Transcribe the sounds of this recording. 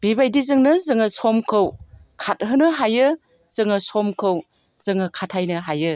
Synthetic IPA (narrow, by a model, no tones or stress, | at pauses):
b̥ibajdizɯŋnɯzɯŋɐsɔmkʰɯwkʰat̚ɦɯnɯɦajɯ | z̥ɯŋɯsɔmkʰɯw | z̥ɯŋɯkʰatʰajnɯɦajɯ